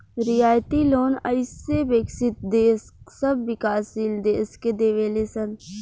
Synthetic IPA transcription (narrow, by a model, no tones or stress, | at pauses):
ɾɪjaːjt̪iloːnə̰ɪsːebeːksɪt̪̚d̪eːssəbːɪkaːsild̪eːsked̪eːʋeːlesən